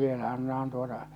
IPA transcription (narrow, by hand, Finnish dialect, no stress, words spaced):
ʋielæ ɑnːɑhɑn tuotɑ